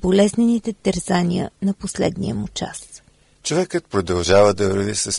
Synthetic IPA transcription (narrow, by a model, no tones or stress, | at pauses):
bolɛznɛnit̪ɛt̪ɛɾzanʲiə̰nɐposlɛ̰d̪nḭəmut͡ʃa̰s | t͡ʃovɛkət̪̚pɾod̪ɐlˠʒavəd̪ɐvɾɐvisəs